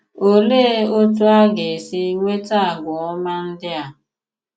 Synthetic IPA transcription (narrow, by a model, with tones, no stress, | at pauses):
o˦le˦o˦tu˦a˦ɡe˨si˦ŋʷe˦ta˦a˨ɡʷʊ˨ɔ˦ma˦n̩˦dɪ˦a˨